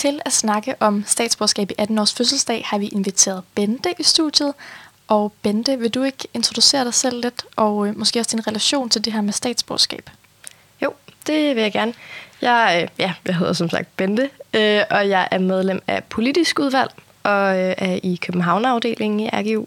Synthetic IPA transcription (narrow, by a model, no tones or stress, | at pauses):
t͡sʰe̝læsnɑ̈ɡ̥əʔɒ̽msd̥ɛ̰ːd̥sb̥oːsɡ̥ɛ̰ːb̥iʔæd̥n̩ɒ̰ːsføs̬l̩sd̥ɛ̰ːhɑ̈ʋiʔe̝nʋit͡sʰe̝̰ːɐð̞ˠb̥end̥əʔisd̥ud̥jð̞̩ˠ | ʔɒ̽b̥end̥əʋe̝d̥ue̝ɡ̥əe̝nt͡sʰʁo̝d̥use̝̰ːɐɾ̥ɑ̈ɪsel̰le̝d̥ʔɒ̽mɒ̽sɡ̥e̝̰ːɒsd̥inʁɛlæɕo̝̰ːnt͡sʰeld̥e̝ɦæɐmesd̥ɛ̰ːd̥sb̥o̰ːsɡ̥ɛ̰ːb̥ | jo̝̰ʊ̰d̥e̝ʋe̝jɑ̈ɪɡ̥æɐnjɑ̈ɪjæjɑɪɦe̝ð̰ˠɐs̬ɒ̽msɑ̈ɡ̥̚d̥b̥end̥əøʔɒ̽jɑ̈ɪʔæɐmeð̞ˠlem̰æpʰo̝lid̥isɡ̥uð̞ˠʋæl̰ | ʔɒ̽ʔæɐʔikʰøb̥m̩ɦɑ̈ʊnɑ̈ʊd̥e̝̰ːle̝ŋŋ̩iʔæɐɡ̥eṵː